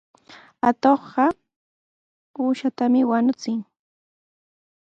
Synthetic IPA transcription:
at̪oχɢɑ | uːʃat̪amɪwanʊt͡sɪŋ

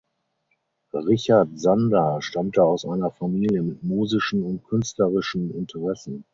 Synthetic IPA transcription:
ʁɪçaɐtz̥andaːʃtamtəaʊsʔaɪnɐfamiːljəmɪtmuːzɪʃn̩ʊnt̚kʰʏnstləʁɪʃn̩ɪntʰəʁɛsn̩

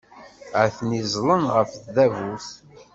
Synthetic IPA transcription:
əθnizˤlənʁəfθðævuθ

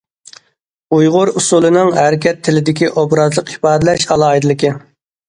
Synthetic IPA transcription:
ujʁʊɾusulˠɨnɨŋɦæɾɪkʲɛt̪ʰːɪlɪd̪ɪkʲiʔobɾɑzlˠəqipɑːd̪ɪlɛʃɑlˠɑjd̪ɨlˠɨkʲɪ

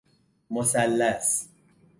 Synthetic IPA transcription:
mosalːas

